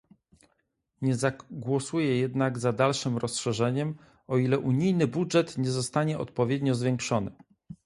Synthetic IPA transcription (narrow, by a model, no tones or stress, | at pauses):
ɲɛzaɡwɔsujɛjɛd̪naɡzad̪alʂɘmɾɔsʂɛʐɛɲɛm | ɔilɛʔuɲijnɘbudʐɛt̪ɲɛzɔst̪aɲɛɔ̰t̪̚pɔvʲjɛd̪ɲɔzvʲjɛŋkʂɔnɘ